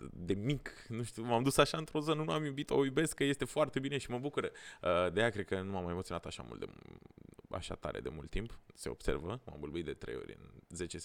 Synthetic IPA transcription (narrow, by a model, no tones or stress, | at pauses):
d̪e̞mik | nuʃt̪umamd̪usaʃaɨnt̪ɾo̞zənənuamjubit̪o̰jube̞skkəje̞st̪efoart̪e̞bineʃiməbukuɾəəd̪ejakɾed̪kənumamːajemot̪sionat̪aʃa̰mʔṵlt̪e | a̰ʃa̰t̪a̰ɾʔe̞̰d̪e̞mult̪ːimpse̞o̞̰b̥se̞rvəma̰mbolbuit̪̚d̪e̞t̪ɾe̞̰jo̞̰ɾʲɨ̰nze̞t͡ʃes